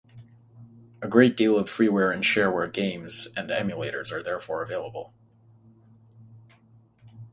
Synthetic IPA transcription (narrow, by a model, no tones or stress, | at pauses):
ɨɡɹeɪt̚d̥ilˠʌv̥fɹiwɛɹɨ̃nʃɛɹwɛɹɡẽɪ̃mz̥ɨ̃nɛ̰̃mjɨleɪɾə̰˞zə˞ðɛɹfɔɹəveɪlˠəbl̩ˠ